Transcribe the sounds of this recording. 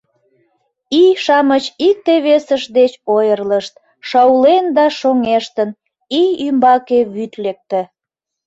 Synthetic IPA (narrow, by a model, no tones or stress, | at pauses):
iʃɑmət͡ɕik̚t̪eβesəʃd̪et͡ɕojərləʃt̪̚ | ʃɑwlend̪ɑʃoŋeʃt̪ən | iymbɑkeβyt̪lek̚t̪e